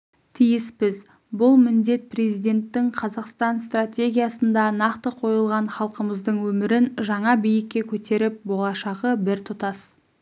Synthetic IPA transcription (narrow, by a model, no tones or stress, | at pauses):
t̪ʰijɪsbɪz | bʊlˠmɪnd̪e̞t̪̚pʰre̞zijd̪ʲe̞nt̪ːɪŋqʰɑzɑqst̪ɑnst̪ratʲe̞ɡʲijasənd̪ɑnɑqt̪əqʰo̞jəlˠʁɑnχɑlˠqəməzd̪əɴwɵmɪɾɪnʒɑɴɑbijɪkʲːe̞kʲʰɵt̪e̞ɾɪp̚bo̞lˠɑʃɑʁəbɪɾt̪ʰʊt̪ɑs